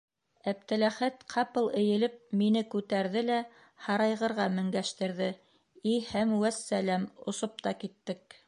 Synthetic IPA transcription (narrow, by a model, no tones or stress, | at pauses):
æp̚t̪ɘ̆læχæt̪qʰɑpɤlˠɘ̆jɘ̆lɘp̚minɘkʉt̪æɾðɘlæ | hɑɾɑjʁɤ̆ɾʁɑmɘ̆ŋɡæʃt̪ɘ̆ɾðɘ | ihæmwæsːælæmŏsop̚t̪ɑkit̪ːɘk̚